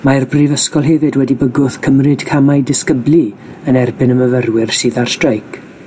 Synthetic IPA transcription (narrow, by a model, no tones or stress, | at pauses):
maɛrbrivəskɔlˠɦɛvɨdwɛdibəɡʊθkʰəmrɨd̥kʰamajdɪskəbli | ənɛrbɪnəməvərwɪrsɨːðar̥strajkʰ